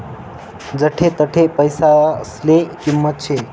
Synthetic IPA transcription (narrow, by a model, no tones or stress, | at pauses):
d͡zəʈʰet̪əʈʰepəjsaslekimːət̪̚t͡ʃʰe